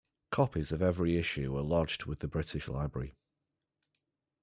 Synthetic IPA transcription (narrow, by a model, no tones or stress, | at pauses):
kʰɒpʰɪzəvɛvɹiɪʃʉwəlɒd͡ʒdwɪðəbɹɪtʰɪʃla̰ɪbɹə̰ɹɪ̰